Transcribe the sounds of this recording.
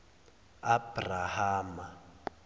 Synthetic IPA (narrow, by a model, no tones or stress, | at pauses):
abrahaːma